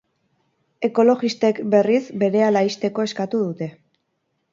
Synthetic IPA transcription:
e̞ko̞lo̞ɣist̪e̞kbe̞risbe̞ɾe̞alaist̪e̞ko̞e̞skat̪uðut̪e̞

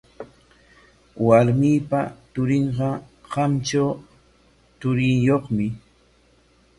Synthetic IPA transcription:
waɾmiːpat̪ʊɾɪɴɢɑɢ̥ɑmt͡ʃaw | t̪ʊɾɪjoχmɪ

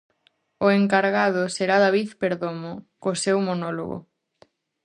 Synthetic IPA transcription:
ʊeŋkaɾɣaðʊseɾaðaβiθpeɾðomʊkosewmonɔlo̰ɣʊ̰

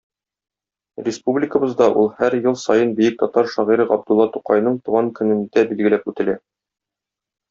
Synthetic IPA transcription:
rʲɪspublʲɪkə̆bɤ̆zd̪ɑʔulˠhæɾjɤlˠsɒjɤnbijɘk̚t̪ɒt̪ɑɾʃɒʁiɾɤɑb̚d̪ulˠːɑt̪uqɑjnɤɴt̪uʁɑŋkɵ̆nɘ̆nd̪æbilɡɘ̆læpʉt̪ɘ̆læ

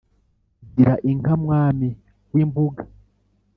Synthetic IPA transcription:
ɟiɾaʔiŋkamwaːmi | wiːmbuɡḁ

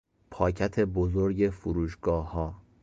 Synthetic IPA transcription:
pʰɒːcʰæt̪ʰe̞bozoɾɟe̞fuɾuːʃɡɒːhɒː

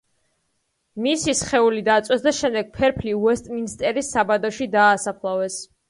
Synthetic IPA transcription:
misisχɛulid̪at̪sʼwɛsd̪aʃɛmd̪ɛɡ̥̚pʰɛɾpʰliuɛst̪ʼminst̪ʼɛɾisːabad̪ɔʃid̪aːsapʰlˠavɛs

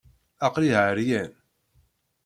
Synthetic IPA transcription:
ɑqliɦəɾjæn

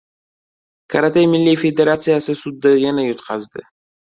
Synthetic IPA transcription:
kʰaɾat̪ejmɪlːijfed̪eɾat̪sɨjasɨsʊd̪ːajanajʊt̪qʰɑzd̪ɪ̰

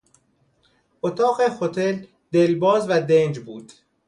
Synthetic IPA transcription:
ʔot̪ʰɒːɣexot̪ʰel | d̪̥elbɒːzvæd̪end͡ʒbuːd̪̥

